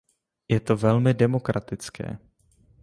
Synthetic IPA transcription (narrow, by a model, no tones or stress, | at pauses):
jɛt̪o̞vɛlmɪdɛmo̞kɾʔat̪ɪt͡skɛ̰ː